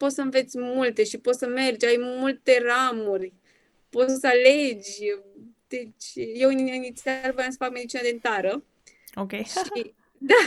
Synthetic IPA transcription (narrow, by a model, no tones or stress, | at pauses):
po̞t̪səmve̞t̪sʲmult̪e̞ʃipo̞t̪səme̞rd͡ʒʲajmult̪e̞ramurʲ | po̞t̪səsəaled͡ʒʲ | d̪̥e̞t͡ʃʲjewinnit̪sʲarvəoansə̥fakme̞d̪it͡ʃinad̪int̪aɾə | okʲejʃi | d̪a